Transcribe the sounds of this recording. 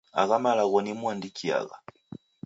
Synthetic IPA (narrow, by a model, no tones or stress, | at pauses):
a̰ɣamalaɣɔnimuandikʰia̰ɣa̰